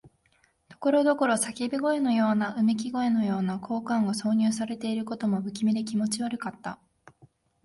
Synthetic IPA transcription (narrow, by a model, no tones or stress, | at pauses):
t̪o̞̥ko̞ɾo̞d̪o̞ko̞ɾo̞sakʲibʲiɡo̞e̞no̞jo̞ːnaʔɯ̟mik̬ʲiɡo̞e̞no̞jo̞ːnakʰo̞ːkãŋɡaso̞ːɲ̟ɨːsaɾe̞t̪e̞iɾɯ̟ko̞t̪o̞mo̞bɯkʲimed̪ekʲimo̞t͡ɕiβaɾɯ̟kat̪ːa